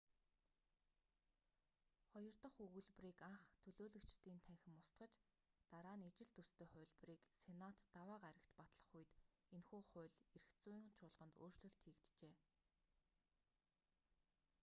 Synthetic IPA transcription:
χɔjɞ̆r̥t̪ə̆χɵɣŭɮpriːkaɴχt̪ʰɵɮoːɮɵ̆kt͡ɕt̪iːnt̪ʰæŋxʲɪ̆mʊst̪ɢə̆t͡ɕ | t̪aɾaːnet͡ɕɪ̆ɮt̪ɵst̪ʰeːχʊ̟ːɮpriːksenat̪ːawaːɢaɾə̆kt͡ɕpat̪ɮə̥̆χuj̆t̪ | enxuːχʊ̟ːɮeɾɘ̆xt͡suːiːŋt͡ɕʰʊːɮʁə̆nt̪oːr̥t͡ɕɮɵ̆ɬt̪ʰiːkt̪t͡ɕeː

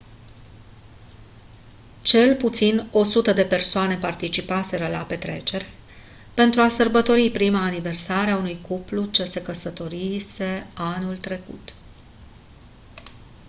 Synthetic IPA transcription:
t͡ʃe̞lput̪sino̞sut̪əd̪e̞pe̞rsoane̞part̪it͡ʃipase̞ɾəlape̞t̪ɾe̞̰t͡ʃe̞rʲ | pe̞nt̪ɾuasərbət̪o̞ɾipɾimaːnive̞rsaɾeaunujkuplut͡ʃese̞kəsət̪o̞ɾise̞anult̪ɾe̞kṵt̪

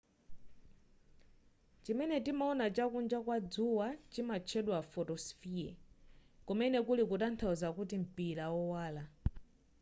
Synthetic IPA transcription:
t͡ʃimɛnɛtimaɔnat͡ʃakund͡ʒakwad͡zuwat͡ʃimat͡ʃʰɛɗwafɔtɔsfiɛ̰ | kɔmɛnɛkulikutantʰauzakutim̩pilawɔwaːla

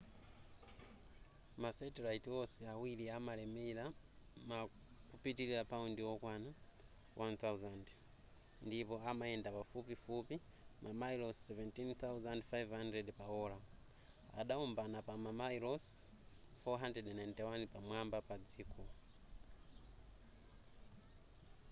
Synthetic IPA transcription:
masɛtɛlaitiɔsɛawiliamalɛmɛla | ma | kupitililapaundiwɔkwana | wʔanθauzand | ndipɔamaɛndapafupifupi | mʔamajlɔsɛvɛntinθawzandfajvhandrɛdpaɔla | a̰ɗaumbanapamamajlɔs | fɔɦandrɛdɛnajntiwanpamwambapad͡zikʰɔ

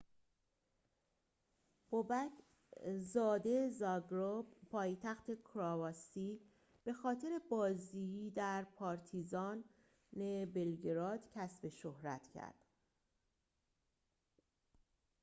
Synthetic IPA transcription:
b̥obæcʰ | zɒːd̪e̞zɒɡɾobpʰɒːjt̪ʰæxt̪ʰekʰɾɒvɒsi | b̥e̞xɒːt̪ʰeɾe̞bɒːziid̪æɾpʰɒːɾt̪ʰizɒːn | ebelɡeɾɒːd̪̥cʲʰæsbe̞ʃohɾæ̰t̪ʰcʰæ̰ɾd̪̥

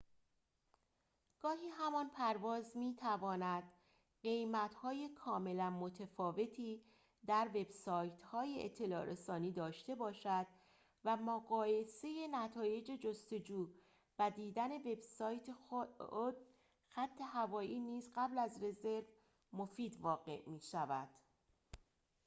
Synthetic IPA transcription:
ɡ̥ɒːɦiːɦæmɒnpʰæɾvɒːzmiːt̪ʰævɒːnæd̪̥ | ɢe̞jmæt̪hɒːje̞kʰɒːme̞lænmo̞t̪ʰefɒːve̞t̪ʰiː | d̪æɾve̞bsɒːjt̪ʰhɒːjeʔḛt̪ʰːe̞lɒ̰ːɾesɒːniːd̪ɒːʃt̪e̞bɒːʃæd̪̥ | væmoɣɒːje̞se̞je̞næt̪ʰɒːje̞d͡ʒe̞d͡ʒost̪o̞d͡ʒuː | væd̪iːd̪æne̞ve̞bsɒːjt̪ʰe | d̪̥̚ | xæt̪ʰːe̞ɦævɒːʔiːniːzɢæblæzre̞ze̞ɾv | mo̞fiːd̪vɒːɣe̞̰ʔmiːʃævæd̪̥

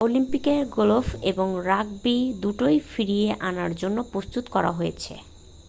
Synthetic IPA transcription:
olimpikeɾɡolofeboŋɾaɡbid̪uʈojfiɾieʔanaɾd͡ʑonːopɾost̪ut̪kɔɾa̰ɦojet͡ɕʰḛ

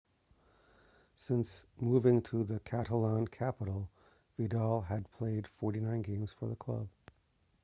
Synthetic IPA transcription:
sɪ̃nsmuvɪ̃ŋtʰəðɨkʰæɾəlɑ̃nkʰæpəɾl̩ˠ | vidɑlˠɨd̚pʰl̥eɪd̥fɔɹɾinãɪ̃nɡẽɪ̃mz̥fə˞ðəkʰl̥ʌ̰b̥

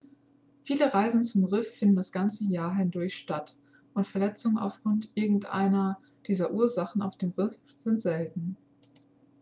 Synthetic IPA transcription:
fiːləʁaɪzn̩t͡sʊmʁɪfːɪndn̩dasɡ̥ant͡səjaːɐɦɪndʊɐçʃtat | ʔʊntfɛɐlɛt͡sʊŋəna̰ʊfɡ̥ʁʊntʔɪɐɡŋ̩tʔa̰ɪnɐ | d̥iːzɐʔuːɐzaχn̩a̰ʊfd̥eːmʁɪf | z̥ɪntz̥ɛltn̩

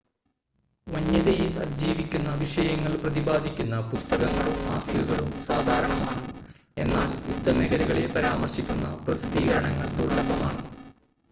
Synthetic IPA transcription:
ʋɐɲːɐðejisɐɾd͡ʑiːʋikʲːunːɐːbʱiʂɐjɐŋːɐɭprɐðibaːd̪ʱikʲːunːɐpust̪ɐɣɐŋːɐɭuma̰ːskɐlɣɐɭumsaːd̪ʱaːɾɐɳɐmaːɳɨ | e̞̰nːaːljṵd̪ʱːɐmeɣɐɾɐɣɐɭepɐɾaːmɐrɕikʲːunːɐ̰prɐsid̪iːɡɐɾɐɳɐŋːɐ̰ɭd̪urɳɐbɐmaːɳɨ

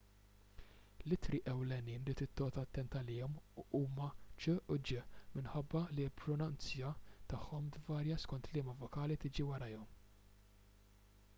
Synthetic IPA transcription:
lɪt̪ɾiʔɛwlɛniːnɾiːt̪ɪt̪ːɔːt̪ɐt̪ːɛnt̪ɐlɪːɔmʔuːmɐt͡ʃɛʔʊd͡ʒɪmɪnħɐbːɐlilpɾɔnɐnt͡sjɐt̪ɐħːɔmd̪vɐːɾjɐskɔnt̪lɪːmɐvɔkɐːlit̪ɪːd͡ʒiwɐɾɐjɔm

